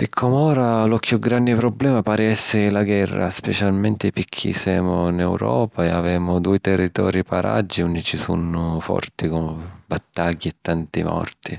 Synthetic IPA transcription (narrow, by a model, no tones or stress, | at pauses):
pɪkʰːɔmɔːɾalʊkjuɡɾand̪ɪpɾɔblɛːmapaːɾɪɛsːɪlaɡwɛrːa̰spɛt͡ʃalmɛnt̪ɪpikʰːḭsɛːmʊnɛwɾɔːpaɛavɛːmʊd̪uːjt̪ɛrːit̪ɔːɾipaɾa̰d͡ʒːiunːit͡ʃisunːʊfɔ̰rt̪ikɔmbat̪ːaɟːiɛt̪ːant̪imɔ̰rt̪i